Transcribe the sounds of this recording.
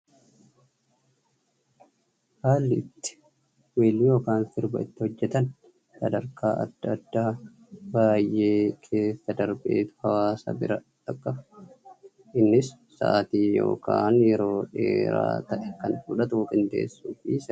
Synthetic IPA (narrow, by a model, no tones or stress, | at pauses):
haːlːɪɪt̪ːɪ̥ | weːlːɪjo̞ːkaːnfɪɾbɐ̰ɪt̪ːɪhɔd͡ʒːɛt̪ɐn | sɐd̪ɐɾkaːʔɐ̰d̪ːɐd̪ːaː | baːjʔe̞ːkʰe̞ːsːɐd̪ɐɾbe̞̰ːt̪ʊ̥hɐwaːsɐ̰ːbɪɾɐt̪ɐkʼːɐf | ʔɪnːɪsːa̰ːt̪iːjo̞̰ːka̰ːnjɛɾo̞ːᶑe̞̰ːɾa̰ːt̪ɐʔɛkɐnfuᶑɐt̪ufɪnd̪e̞̰ːsːuːfisɛ